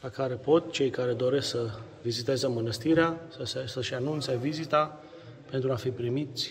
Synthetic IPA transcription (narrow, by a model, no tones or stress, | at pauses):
lakaɾe̞po̞t̪̚t͡ʃe̞jkaɾe̞d̪o̞ɾe̞sksə | vizit̪ezəmənəst̪iɾeasəsesəʃanunt̪sevizit̪a | pe̞nt̪ɾuafipɾimit̪sʲ